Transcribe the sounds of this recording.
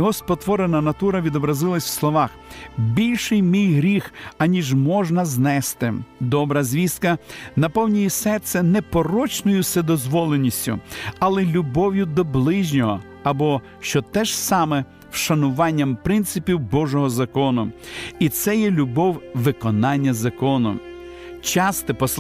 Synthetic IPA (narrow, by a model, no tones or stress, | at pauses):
ɦɔspɔt̪ʋɔɾenɐnɐt̪uɾɐʋʲid̪ɔbɾɐzɪlˠɐsʲw̥slˠɔʋɑxbʲilʲʃɪjmʲijɦɾʲixɐnʲiʒmɔʒnɐznɛst̪ɪd̪ɔbɾɐzʲʋʲiskɐnɐpɔwnʲijisɛt̪sɛnɛpɔɾɔt͡ʃnɔjʊsɛd̪ɔzʋɔlˠenʲːisʲtʲʊ̰ɐlˠɛlʲʊbɔwjʊd̪ɔblˠɪʒʲnʲɔɦɔ | ɐbɔ | ʃt͡ʃɔt̪ɛʒsɑmɛ | wʃɐnʊʋɑnʲːɐmpɾɪnt̪sɪpʲiwbɔʒɔɦɔzɐkɔnʊit̪sɛjɛlʲʊbɔwʋɪkɔnɑnʲːɐzɐkɔnʊ̰ | t͡ʃɑst̪ɪpɔs